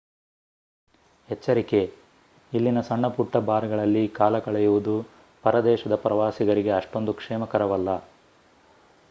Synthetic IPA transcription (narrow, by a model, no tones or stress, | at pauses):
hɛt͡ʃːɐɾike̞ | ilːinɐsɐɳːɐpuʈːɐbaːɾɡɐɭɐlːikaːlɐkɐɭɐjuʋud̪u | pɐɾɐd̪ɛːʃɐd̪ɐpɾɐʋaːsiɡɐɾiɡe̞ɐʂʈo̞nd̪ukʂɛːmɐkɐɾɐʋɐlːɐ